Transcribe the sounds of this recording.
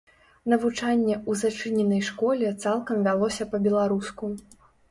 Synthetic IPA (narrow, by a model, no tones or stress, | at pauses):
nɐvut͡ʂanʲːɛuzat͡ʂɨnʲɛnɐjʂkɔlʲɛt̪salˠkɐmvʲalˠɔsʲɐpɐbʲɛlˠaɾusku